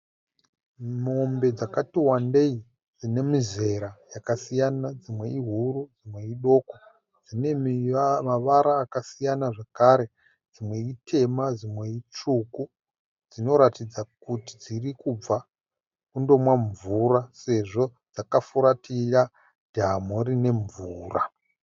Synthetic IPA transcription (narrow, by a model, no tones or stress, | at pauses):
mo̞mbe̞d͡zakatiwande̞i | d͡zine̞mize̞ɾajakasijanad͡zimwe̞iɦuɾud͡zimwe̞iɗo̞ːko | d͡zine̞ | aʋaɾaːkasijanaʐakaɾe̞ | d͡zimwe̞itʰe̞mad͡zimwe̞it͡ʂuku | d͡zino̞ɾatid͡zakuti̥d͡zirikub͡va | kundo̞mwaɱvuɾase̞ʐo̞ | d͡zakafuɾatija | d̥ʱamoɾine̞ɱvuːra